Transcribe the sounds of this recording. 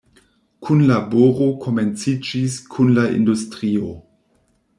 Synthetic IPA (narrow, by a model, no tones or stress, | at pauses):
kʰunlaboɾo̞kʰo̞me̞nt͡sid͡ʒiskʰunlaḭndustɾio̞